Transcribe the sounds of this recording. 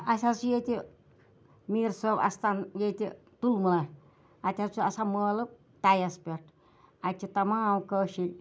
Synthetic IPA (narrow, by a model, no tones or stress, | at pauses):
asasujet̪i | mirsəpa̰st̪anjet̪i | t̪ulməla | at̪ʲasuasamələp̚ | t̪ajaspət̪̚ | at͡ʃit̪amaukəʃi